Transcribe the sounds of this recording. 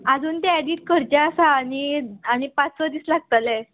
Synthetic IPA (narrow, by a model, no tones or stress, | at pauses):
ad͡zuːnt̪eɛɽiːt̪̚kəɾd͡ʑaːsaːñiaɽ̃ipat͡ssɔd̪iːslaɡ̚t̪ale